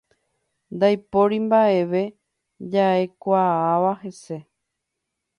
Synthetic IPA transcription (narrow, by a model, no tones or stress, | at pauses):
nd̪ajpo̞ɾimbae̞ʋe̞ | d͡ʒae̞kʷaaʋahe̞se̞